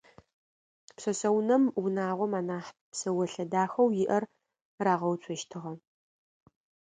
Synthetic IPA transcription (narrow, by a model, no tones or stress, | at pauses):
psɐsɐwnɐmwʊnaːʁʷɔmaːnaːħpsɐwɐɬɐdaːxɐwjɪʔɐr | raːʁɐwt͡sʷʰɔʃtʰɨʁɐ